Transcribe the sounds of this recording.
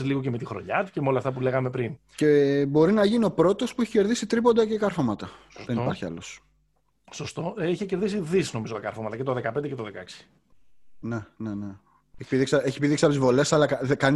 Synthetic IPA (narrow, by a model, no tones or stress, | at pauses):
zliɣocemet̪ixɾo̞̰ɲɐt̪ucemeolɐft̪ɐpule̞ɣɐme̞pɾin | ce̞bo̞ɾinɐʝinio̞pɾo̞t̪o̞spueçi̥ce̞ɾðisit̪ɾipo̞nd̪ɐceikɐɾfomɐt̪ɐðeipɐɾçiɐ̰los | sost̪oiçece̞ɾðisiðisizno̞mizot̪ɐkɐɾfomɐt̪ɐcet̪o̞ðekɐpend̪ecet̪oðekɐeksi̥ | ne̞nene | eçipiðiksɐeçipiðiksiɐpot̪izvo̞le̞sɐlɐkɐðekɐn